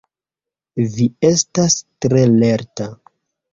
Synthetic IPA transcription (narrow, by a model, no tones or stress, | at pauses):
vie̞stastɾe̞le̞ɾta